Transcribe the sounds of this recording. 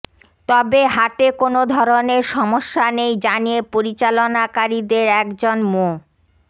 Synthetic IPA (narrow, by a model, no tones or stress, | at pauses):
t̪ɔbeɦaʈekonod̪ʱɔɾoneɾʃɔmoʃːanejd͡ʑanijepoɾit͡ɕalonakaɾid̪eɾɛkd͡ʑonmo